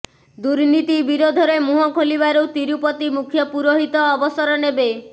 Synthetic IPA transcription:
d̪uɾnit̪ibiɾod̪ʱɔɾemuɦɔkʰoliβaɾut̪iɾupɔt̪imukʰjɔpuɾoɦit̪ɔːbɔsɔɾɔnebe

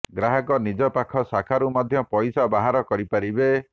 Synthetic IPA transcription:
ɡɾaɦɔkɔnid͡ʒɔpakʰɔsakʰaɾumɔd̪ʱjɔpɔjsabaɦaɾɔkɔɾipaɾibe

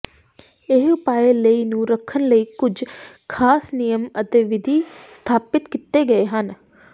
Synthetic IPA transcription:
ɪɦʊpaːeːləiːnũːɾəkʰːənləiːkʊd͡ʒkʰaːsnijəmət̪eːʋɪd̪ʱiːst̪ʰaːpɪt̪kit̪eːɡəeːɦən

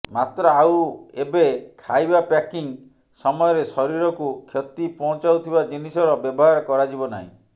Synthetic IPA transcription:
mat̪ɾɔawebekʰajbapakiŋ | sɔmɔjɔɾesɔɾiɾɔkukʰjɔt̪ipɔɦɔ̃t͡ʃawt̪ʰibad͡ʒinisɔɾɔbjɔbɔɦaɾɔkɔɾad͡ʒibɔna̰ɦḭ̃

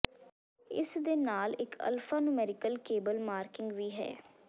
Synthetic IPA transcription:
ɪ̰sd̪eːnaːlɪkə̰lfʰaːnumɛːɾɪkəlkeːbəlmaːɾkɪŋɡʋiːɦɛ̰ː

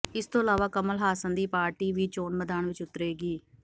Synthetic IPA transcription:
ɪst̪õːəlaːʋaːkəməlɦaːsənd̪iːpaːɾʈiːʋiːt͡ʃoːnməd̪aːnʋɪt͡ʃʊt̪ɾeːɡiː

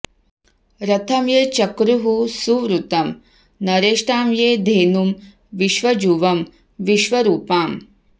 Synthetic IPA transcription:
ɾɐt̪ʰɐmjeːt͡ʃɐkɾuɦusuʋɾut̪ɐm | nɐɾeːʂʈaːmjeːd̪ʱeːnum | ʋiʃʋɐd͡ʒuʋɐm | ʋiʃʋɐɾuːpaːm

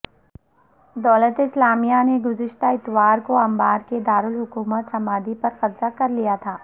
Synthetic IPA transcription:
d̪ɔːlət̪ɪslaːmijaneɡʊzɪʃt̪aɪt̪waːɾkoɐmbaːɾked̪aːɾʊlɦʊkuːmət̪ʃɐmaːd̪ipɐɾqɐbzakɐɾlijat̪ʰaː

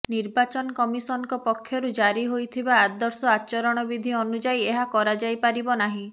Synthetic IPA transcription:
niɾbat͡ʃɔnɔkɔmisɔnɔkɔpɔkʰːjɔɾud͡ʒaɾiɦojt̪ʰibaːd̪ɔɾsɔat͡ʃɔɾɔɽ̃ɔbid̪ʱiɔnud͡ʒaieɦakɔɾad͡ʒajpaɾibɔnaɦĩ

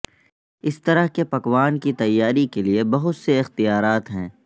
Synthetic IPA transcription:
ɪst̪ɐɾəɦkepɐkʋaːnkit̪ɐjːaːɾikeliebɐɦʊt̪seɪxt̪ijaːɾaːt̪ɦɛ̰̃ː

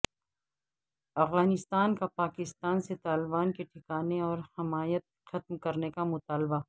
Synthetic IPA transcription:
ɐfɣaːnɪst̪aːnkapaːkɪst̪aːnset̪aːlɪbaːnkeʈʰɪkaːneɔːɾhɐmaːjət̪̚xɐt̪mkɐɾnekamʊt̪aːlba

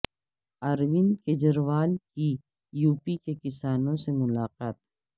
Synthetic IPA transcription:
aːɾʋɪnked͡ʒɐɾʋaːlki | juːpikekɪsaːnõsemʊlaːqaːt̪

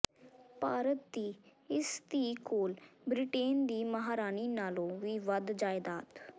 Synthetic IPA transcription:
paːɾət̪̚d̪iːɪst̪iːkoːlbɾɪʈeːnd̪iːməɦaːɾaːniːnaːlõːʋiːʋəd̪d͡ʒaːɪd̪aːt̪

